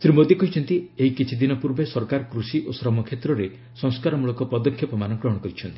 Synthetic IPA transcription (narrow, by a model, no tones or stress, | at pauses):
sɾimod̪ikɔɦit͡ʃʰɔnt̪ieɦikit͡ʃʰid̪inɔpuɾbesɔɾkaɾɔkɾusiʔosɾɔmɔkʰet̪ɾɔɾe | sɔŋskaɾɔmuɭɔkɔpɔd̪ɔkʰjɔpɔmanɔkɾɔɦɔɽ̃ɔkɔɾit͡ʃʰɔnt̪i̥